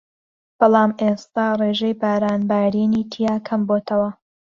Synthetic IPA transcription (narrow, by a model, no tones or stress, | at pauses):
b̥ɑlˠɑːmʔest̪aːreːʒejbaːɾaːnbaːɾiniːt̪ʰijaːkʰɐmboːt̪ʰɐwɐ